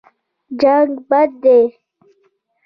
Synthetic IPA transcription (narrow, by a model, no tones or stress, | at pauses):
d͡ʒaŋɡbad̪̚d̪e